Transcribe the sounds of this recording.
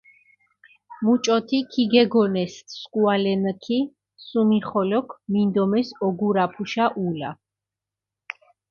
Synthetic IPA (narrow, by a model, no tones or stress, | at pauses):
mut͡ʃʼɔt̪ʰikʰiɡɛɡɔnɛsskʼualɛnkʰi | sumiχɔlɔkʰmind̪ɔmɛsɔɡuɾapʰuʃaʔula̰